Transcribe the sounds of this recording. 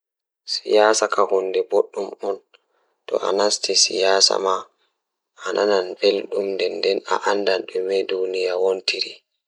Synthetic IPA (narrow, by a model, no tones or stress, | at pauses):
sijaːsakahundɛboɗːumɔn | tɔ̰ʔa̰nastisḭjaːsa̰ma | anʔananbelɗumdɛndɛna̰ʔandanɗumɛdunijawontiɾi